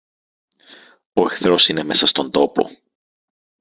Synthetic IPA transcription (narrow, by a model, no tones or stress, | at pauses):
o̞e̞xθɾo̞sine̞me̞sɐst̪o̞nd̪o̞po̞̰